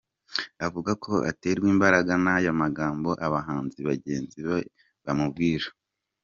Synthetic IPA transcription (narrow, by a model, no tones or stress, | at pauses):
avuɡakʰo̞ʔa̰te̞ːɾɡwiːmbaɾaɡanajamaɡaːmbo̞ʔaβaɦaːnziβaɟe̞ːnziβe | βamubɡiːɾa